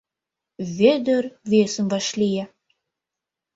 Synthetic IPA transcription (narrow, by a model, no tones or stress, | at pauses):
βed̪ərvesə̆mvɑʃlʲijæ